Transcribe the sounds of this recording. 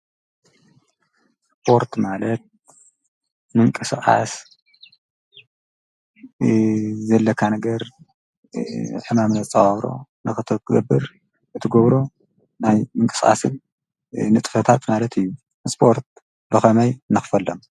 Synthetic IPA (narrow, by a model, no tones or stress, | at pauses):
sspʰo̞ɾt̪malɐt̪̚ | mɨŋkʼɨsχʼa̰s | zɐlːɐkʰːanɐɡɐɾ | ħɨmamnɐt͡sʼɐɐβɾo̰ | nɨxɨt̪ʰɐɡɐbːɨɾ | ʔɨt̪ʰɨɡoβɾo̞ | najmɨŋkʼɨsʼa̰sɨn | nɨt̪ʼɨfɐt̪ʰat̪malɐt̪ʰɨjːu | spʰo̞ɾt̪̚ | bɨxɐmɐjnɨxɨ̥fɐlːom